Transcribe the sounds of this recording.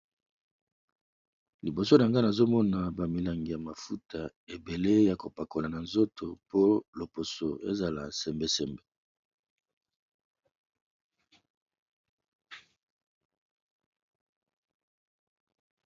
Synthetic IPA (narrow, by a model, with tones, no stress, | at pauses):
li˨bo˨so˦na˨ŋɡa˦na˨zo˦mɔ˦na˨ba˨mi˨la˨ŋɡi˨ja˨ma˨fu˦tʰa˨ | e˨be˨le˦ja˨ko˨pa˨ko˨la˨na˨nzo˦to˨po˦lo˨po˨so˨e˦za˨la̰˨sɛ˨mbe˦sɛ˨mbe˦